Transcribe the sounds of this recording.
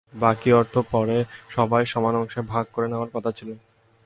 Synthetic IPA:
bakiɔɾt̪ʰopɔɾeʃɔbajʃɔmanɔŋʃebʱaɡ̚koɾeneoaɾkɔt̪ʰat͡ɕʰilo

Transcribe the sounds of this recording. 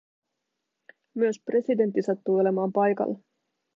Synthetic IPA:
myøspre̞side̞nt̪ːisɑt̪ːuːo̞le̞mɑːmpɑjkɑ̰lː

